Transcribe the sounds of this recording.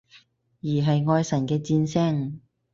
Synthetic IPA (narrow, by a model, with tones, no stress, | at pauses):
jiː˨˩ɦɐ˨jŋɔː˧jsɐ˨˩nkɛː˧t͡siː˧nsɛ˥ŋ